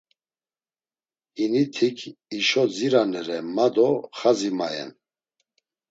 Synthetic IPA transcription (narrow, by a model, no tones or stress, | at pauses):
init̪ʰikʰiʃɔd͡ziɾanɛɾɛmad̪ɔχazimajɛ̰n